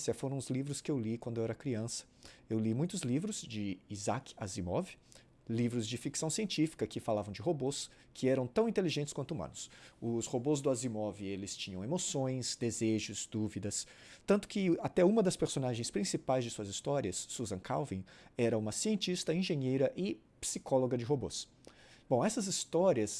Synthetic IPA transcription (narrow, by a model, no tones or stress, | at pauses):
siɐfoɾɐ̃w̃ʊzlivɾʊskɪewlikwɐ̃nd̪ʊewɛɾɐkɾiɐ̃sɐ̥ewlimũj̃t̪ʊzlivɾʊzd͡ʒɪizakazimɔvɪ | livɾʊzd͡ʒɪfiksɐ̃w̃siẽnt͡ʃifi̥kɐkɪfalavɐ̃w̃d͡ʒɪɦobos | kʰɪɛɾɐ̃w̃t̪ɐ̃w̃ĩt̪eliʒẽnt̪ɪskwɐ̃nt̪ʊumɐ̰̃nʊsʊshoboz̬d̪ʊazimɔvɪelɪst͡ʃĩɲɐ̃w̃emosõj̃sd̪ezeʒʊzd̪uvid̪ɐst̪ɐ̃nt̪ʊ̥kɪat̪ɛũmɐd̪ɐspeɾsonaʒẽj̃spɾĩsipajzd͡ʒɪsuɐzist̪ɔɾiɐsːuzɐ̃kʰa̰wvĩɛɾɐũmɐsiẽnt͡ʃist̪ɐĩʒẽɲejɾɐʔɪ | psikɔloɡɐd͡ʒɪɦobo̰s | b̥õw̃ɛsɐzist̪ɔɾiɐs